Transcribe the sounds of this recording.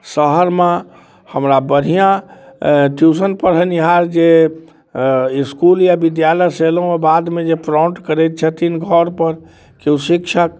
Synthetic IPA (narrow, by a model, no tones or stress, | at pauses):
səɦəɾme | həmɾabəɽ̤ʱijã | ʈjus̬ənpəɾɦəniɦaɾd͡ʒe | iskuljabid̪jaləjsel̃ɔbad̪med͡ʒepɾɔ̃ɳʈkəɾɛt̪̚t͡ʃʰɛt̪inɡʱɔɾpəɾ | keusikt͡ʃʰək